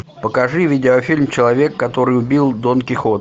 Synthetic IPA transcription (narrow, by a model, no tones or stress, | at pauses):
pəkɐʐɨvʲɪdʲɪofʲilʲmt͡ɕɪlˠɐvʲe̞kːɐt̪o̞ɾɨjʊbʲilˠd̪onkʲɪxot̪